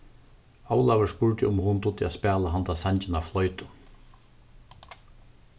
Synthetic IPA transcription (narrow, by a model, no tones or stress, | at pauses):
awlavəspʊɹʈɪʊmhʊnt̪ʊt̪ɪaspɛːlaɦant̪asaɲt͡ʃɪnaflɔʏt̪ʊ